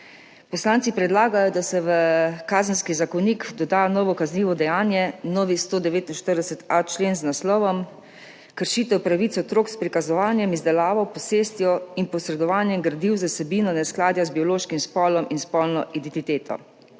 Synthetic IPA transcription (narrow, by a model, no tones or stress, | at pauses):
pɔslaːntsipɾɛd̪laːɡajɔd̪asɛʋəkaːzənskizakɔnikd̪ɔd̪aːnɔːʋɔkaznliːʋɔd̪ɛjaːnjɛnɔːʋist̪oːd̪ɛʋeːt̪inʃt̪əɾd̪ɛsɛt̪at͡ʃleːnznaslɔːʋɔm | kəɾʃiːt̪ɛwpɾaʋiːt̪sɛɔt̪ɾoːkspɾikazɔʋaːnjɛmizd̪ɛlaːʋawpɔseːst̪jɔinpɔsɾɛd̪ɔʋaːnjɛmɡɾad̪iwzasɛbiːnɔnɛsklaːd̪jazbiɔloːʃkimspɔlɔminspɔlnɔʔid̪ɛnt̪it̪eːt̪ʰɔ̰